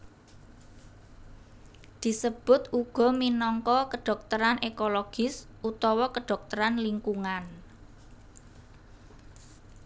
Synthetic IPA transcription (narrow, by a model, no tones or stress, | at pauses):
d̪̥i̤səb̥ʊ̤t̪ʔuɡ̥ɔ̤minɔŋkɔkəɖ̥ɔ̤k̚t̪əɾanʔekoloɡ̥ɪsʔut̪ɔwɔkəɖ̪̥ɔ̤k̚t̪əɾanliŋkuŋan